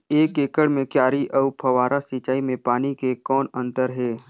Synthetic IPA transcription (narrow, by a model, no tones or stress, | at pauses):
eːkeːkəɽmẽkjaːɾiʔɔʊpʰɐʋaːɾʔasit͡ʃaːimẽpaːnikekɔːnə̃nt̪əɾɦɛː